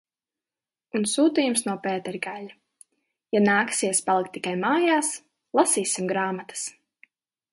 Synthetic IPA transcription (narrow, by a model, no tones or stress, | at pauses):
unsuːt̪iːjumsnuɔpɛːt̪ɛɾʲɡalʲa | janaːksiɛspalˠik̚t̪ːikajmaːjaːs | lˠasiːsimɡɾaːmat̪ḁs